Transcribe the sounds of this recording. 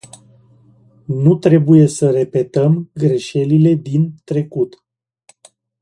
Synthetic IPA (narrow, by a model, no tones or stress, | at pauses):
nut̪ɾe̞buje̞səɾe̞pe̞t̪əmɡɾe̞ʃe̞lile̞d̪int̪ɾe̞kut̪